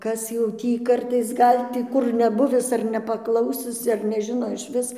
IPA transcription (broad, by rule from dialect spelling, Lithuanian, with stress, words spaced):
ˈkɐs jɛʊ ˈtʲiː ˈkɐrtɐɪs ˈɡɐlʲ tʲiː ˈkʊr nʲɛˈbʊʋʲɪs ɐr nʲɛpɐˈklˠɐʊsʲɪs ɐr nʲɛˈʒʲɪnoː ɪʃʲˈʋʲɪs